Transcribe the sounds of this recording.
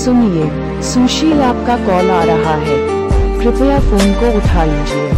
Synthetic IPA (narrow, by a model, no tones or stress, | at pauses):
sʊnieː | sũːʃilaːp̚kakɔːlaːɾɐɦaɦɛː | kɾɪpjafoːnkoʊʈʰaːliːd͡ʒie